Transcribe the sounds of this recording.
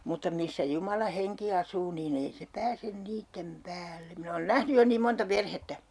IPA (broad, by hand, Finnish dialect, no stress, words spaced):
mutːɑ misːæ jumɑlɑ heŋki ɑsuː niːn ei se pæːsen niːtːem pæːlːe min oːn næhny jo niːm montɑ perhetːæ